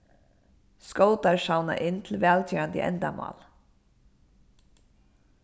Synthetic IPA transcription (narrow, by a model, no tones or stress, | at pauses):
skoʊt̪ɑɹʃɑʊnɑ̰ʔɪnt̪ʰl̩ʋɛːlt̪ʰyːɑnd̪ḭːʔɛ̰nd̪ɑmɑ̰ːl